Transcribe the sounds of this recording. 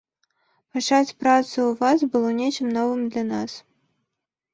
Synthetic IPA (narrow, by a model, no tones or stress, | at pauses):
pat͡ʂat͡sʲpɾat̪sɨuvas̬bɨlˠɔnʲet͡ʃɨmnɔvɨmd̪lʲanas